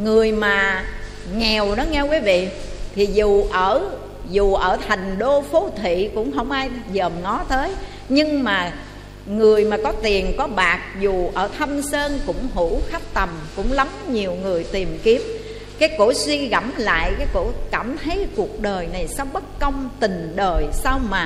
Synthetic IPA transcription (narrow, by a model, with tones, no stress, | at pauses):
ŋɨ˨˩əjmaː˨˩ | ŋɛ˨˩wnɔ˨˦ŋɛ˧kwi˨˦vḭ˧˨t̪ʰi˨˩zu˨˩ʔəː˧˩ | zu˨˩ʔəː˧˩t̪ʰa˨˩jŋ̟ɗo˧fo˨˦t̪ʰḭ˧˨kʊ̰˧˥ŋ͡mɦə˧wŋ͡mʔaː˧jzəː˨˩ŋɔ˨˦t̪əː˨˦j | ɲɨ˧ŋmaː˨˩ | ŋɨ˨˩əjmaː˨˩kɔ˨˦t̪i˨˩ənkɔ˨˦ɓaː˨˩k̚zu˨˩ʔəː˧˩t̪ʰa˧msəː˧nkʊ̰˧˥ŋ͡mɦu˧˥xa˦˥k̚t̪ə˨˩mkʊ̰˧˥ŋ͡mla˨˦mɲi˨˩əwŋɨ˨˩əjt̪i˨˩əmki˦˥əp̚ | kaː˨˦jko̰˧˥swi˧ɣa˧˩mla̰ː˧˨jkaː˨˦jko̰˧˥kaː˧˩mt̪ʰə˨˦jku˨˩ək̚ɗəː˨˩jna˨˩jsa˧wŋ͡mɓə˦˥t̚kə˧wŋ͡mt̪ï˨˩ŋ̟ɗəː˨˩jsa˧wmaː˨˩